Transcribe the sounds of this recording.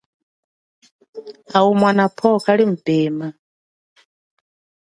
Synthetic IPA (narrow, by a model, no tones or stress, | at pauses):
aumwanapʰɔkaɺim̩bɛːma